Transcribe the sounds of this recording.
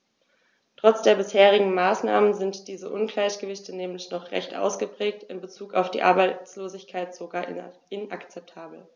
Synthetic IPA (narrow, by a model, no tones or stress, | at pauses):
tʁ̥ɔt͡sd̥eːɐbɪsheːʁɪɡŋ̩maːsna̰ːmənzɪntd̥iːzəʔʊnɡlaɪçɡ̥əvɪçtənɛːmlɪçnɔχʁɛ̰çtʔa̰ʊsɡ̥əpʁ̥ɛːk̚tɪnbət͡suːkaʊfd̥ḭːʔa̰ɐbaɪt͡sloːzɪçkʰaɪtz̥oɡaːɐɪnʔa̰kt͡sɛp̚tʰaːbl̩